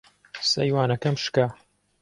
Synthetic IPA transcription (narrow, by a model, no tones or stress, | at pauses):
sɐjwaːnɐkɐmʃka